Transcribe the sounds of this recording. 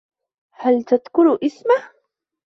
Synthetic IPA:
halt̪ad̪kʊɾʔɪsma

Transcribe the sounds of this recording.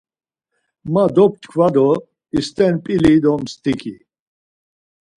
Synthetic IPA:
mad̪ɔp̚t̪kʰvad̪ɔ | ist̪ʼɛnpʼilid̪ɔmst̪ʼikʰi

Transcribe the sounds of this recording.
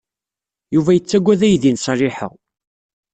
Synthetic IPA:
juvæjət͡sːæɡʷːæðæjðinsˤɑriɪħə̰ʁ

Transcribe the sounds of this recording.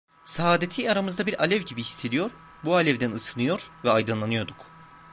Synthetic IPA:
saaːd̪et̪ʰiːaɾamɯzd̪abiɾʔalʲɛvɟibihi̥sːe̞d̪ijo̞ɾ | bualʲɛvd̪ænɯsɯnɯjo̞ɾvɛajd̪ɯnlˠanɯjo̞ɾd̪uk

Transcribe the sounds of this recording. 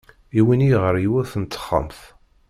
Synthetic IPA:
iwiniʁəɾjiwæθənt̪ːə̥χːə̰mθ

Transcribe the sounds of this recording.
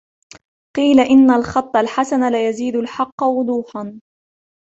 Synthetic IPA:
qiːlaʔɪnːalxɑt̪ˤːɑlħasanalajaziːd̪ʊlħɑqːɑwʊd̪ˤuːħan

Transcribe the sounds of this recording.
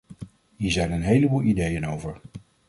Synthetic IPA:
ɦiːɹzɛjnənɦejləbuːlˠidejənowvəɹ

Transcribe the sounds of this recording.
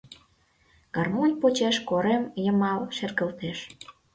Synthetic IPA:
ɡ̥ɑrmonʲpot͡ɕeʃkoɾemjəmɑlʃerɣəlt̪eʃ

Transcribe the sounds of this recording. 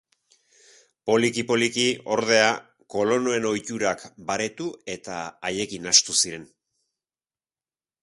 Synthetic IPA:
po̞likipo̞likio̞ɾðe̞a | ko̞lo̞no̞e̞no̞jt̪uɾakbaɾe̞t̪ue̞t̪aːje̞kinast̪usiɾe̞n

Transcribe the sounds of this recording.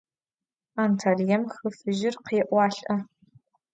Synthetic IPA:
aːntʰaːljɐmxɨfɨʒɪrqeːʔʷɑːɬʼʔɐ

